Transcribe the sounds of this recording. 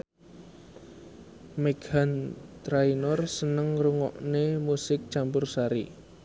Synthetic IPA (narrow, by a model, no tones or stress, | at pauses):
meɡ̥ant̪ɾainɔrsənəŋruŋɔ̰ʔnemusɪk̚t͡ʃampʊrsaɾḭ